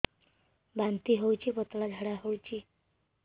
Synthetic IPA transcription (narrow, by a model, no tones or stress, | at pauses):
bant̪iːɦowt͡ɕiːpət̪lad͡zʱaɽaɦowt͡ɕiː